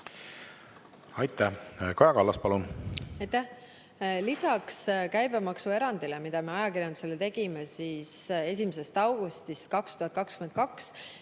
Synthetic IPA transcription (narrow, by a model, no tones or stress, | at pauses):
ɑjt̪ːˑækojɑkɑlːɑspɑlunɑjt̪æ | lisɑkskæjbemɑksue̞ɾɑnd̪̥ile̞mid̪̥ɑme̞ɑjɑkirjɑnd̪use̞let̪e̞ɡ̥imesiːse̞s̬ʲimese̞st̪ɑwɡ̥ust̪ist̪̚kɑkst̪uhɑt̪̚kɑkskymend̪̚kɑks